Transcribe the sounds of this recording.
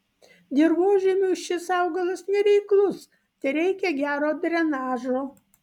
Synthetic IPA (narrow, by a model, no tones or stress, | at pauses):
d̪ʲɪɾʋoːʒʲɛmʲuʃʲɪsɑʊɡɐlˠɐsnʲɛɾʲɛɪklˠʊs | t̪ʲɐɪɾʲɛɪkʲɛɡʲæːɾoːd̪ʲɾʲɛnɑːʒoː